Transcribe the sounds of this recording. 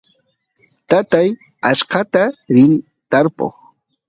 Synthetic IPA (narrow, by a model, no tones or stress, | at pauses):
t̪at̪aj | aʃqɑt̪aɾɪn | t̪aɾpo̰χ